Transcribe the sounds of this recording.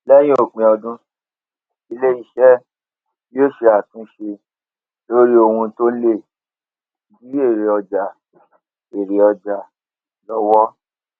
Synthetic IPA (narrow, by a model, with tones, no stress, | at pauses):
lɛ˦j̃ĩ˦o˦˨k͡pĩ˨ɔ˧dũ˦ | i˧le˦i˧ʃɛ˦ | joː˦˨ʃe˧˦a˨tũ˧˦ʃe˧ | lo˦ɾi˦o˧hũ˧to˦le˦˨ | bi˦e˦˨ɾe˨ɔ˧d͡ʒa˨ | e˨ɾe˨ɔ˧d͡ʒa˨ | lɔ˧wɔ˦